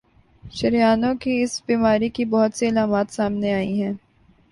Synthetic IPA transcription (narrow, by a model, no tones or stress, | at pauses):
ʃɐɾijaːnõkiɪsbiːmaːɾikibɔɦʊt̪siːlaːmaːt̪saːmneaːiɦɛ̃ː